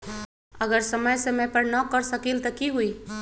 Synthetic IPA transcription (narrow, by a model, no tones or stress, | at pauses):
ɐɡəɾsɐməjseməpɐɾnɔkəɾsəkilt̪ɐkiɦui